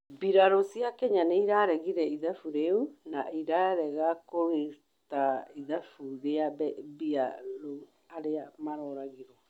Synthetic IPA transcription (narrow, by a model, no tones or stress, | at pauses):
biɾaɾosiakɛɲaneiɾaɾɛɣiɾɛiðafuɾeunaiɾaɾɛɣakoɣe | taiðafuɾeabɛbiaɾo | aɾeamaɾɔɾaɣiɾɔ